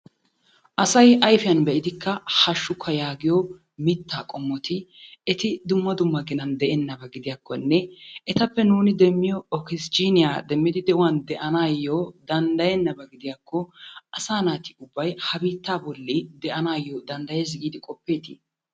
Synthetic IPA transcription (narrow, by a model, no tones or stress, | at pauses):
ʔɐsɐjɐjfɪjɐnbɛʔɪd̪ɪkːɐhɐʃːʊkʰːɐjaːɡɪjɔ | mɪt̪ːaːkʼɔmːɔt̪ɪɛt̪ɪd̪ʊmːɐd̪ʊmːɐɡɪnɐnd̪ɛʔɛnːɐbɐɡɪd̪ɪjakːɔnːɛɛt̪ɐpːɛnuːnɪd̪ɛmːɪjɔɔkɪst͡ʃiːnɪjad̪ɛmːɪd̪ɪd̪ɛʔʊwɐnd̪ɛʔɐnaːjːod̪ɐnd̪ɐjɛnːɐbɐɡɪd̪ɪjakːɔɐsaːnaːt̪ɪʊbːɐjhɐbiːt̪ːaːbɔlːid̪ɛʔɐnaːjːɔd̪ɐnd̪ɐjes̬ɪɡiːd̪ɪkʼɔpːe̞ːt̪ɪ